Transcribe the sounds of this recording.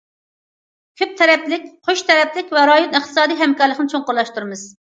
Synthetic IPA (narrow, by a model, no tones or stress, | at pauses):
kʲʰøp̚t̪ʰɛɾɛplɪk̚ʲqʰoʃt̪ʰɛɾɛplɪkʲvɛɾɑjonɨχt̪ʰɨ̥sɑːd̪ijɦɛmkɑɾlˠəqnɨt͡ʃʰoŋqʊɾlˠɑʃt̪uɾɨmɨz̥